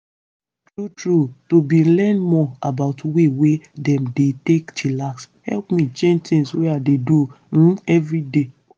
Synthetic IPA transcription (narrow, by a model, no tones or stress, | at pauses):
tɹutɹutubilɛ̃nmɔabaʊtwewedɛ̃mdetektʰilaks | hɛ̰lpmĩt͡ʃẽnd͡ʒt̪ĩŋsweadedu | n̩ɛvɹide